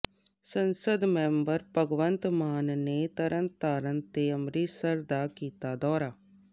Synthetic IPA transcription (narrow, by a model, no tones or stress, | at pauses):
sənsəd̪mɛ̃ːmbəɾpəɡʋənt̪maːnneːt̪əɾənt̪aːɾənt̪eːəmɾiːsəɾd̪aːkiːt̪aːd̪ɔːɾaː